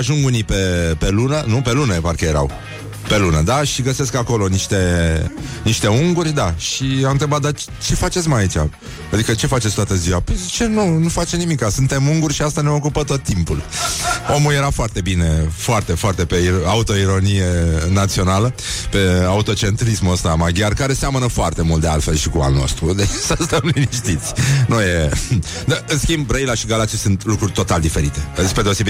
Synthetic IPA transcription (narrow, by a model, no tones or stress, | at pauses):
aʒuŋɡunipe̞pe̞lunənupe̞luneparkəjeɾa̰w | pe̞lunəd̪aʃiɡəse̞skako̞lo̞niʃt̪e̞ | niʃt̪e̞uŋɡurʲd̪aʃiamɨnt̪ɾe̞bat̪̚d̪a | t͡ʃe̞fat͡ʃe̞t̪sʲmajait͡ʃa̰ | ad̪ikət͡ʃe̞fatt͡ʃetsʲt̪oat̪əziwapəjzit͡ʃe̞nunufat͡ʃenimikasunt̪e̞muŋɡurʲʃiast̪aneo̞kupət̪o̞t̪ːimpulo̞mulje̞ɾafoart̪e̞bine̞foart̪e̞foart̪e̞pe̞iaut̪o̞iɾo̞nije̞nat̪sio̞nalə | pe̞aut̪o̞t͡ʃe̞nt̪ɾismuəst̪amaɡʲjarkaɾe̞seamənəfoart̪e̞mult̪d̪e̞a̰lt̪fe̞lʃikua̰lno̞̰st̪ɾud̪eksast̪əmlniʃt̪it̪sʲnuje | d̪əɨnskʲimbrejlaʃiɡalat͡ʃisunt̪lukɾurʲt̪o̞t̪ald̪ife̞ɾit̪e̞sped̪eose̞bi